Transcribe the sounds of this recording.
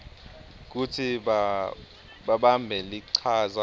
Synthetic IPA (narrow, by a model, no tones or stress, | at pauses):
k̬utʰiɓa | ɓaɓambʱɛliǀʰaza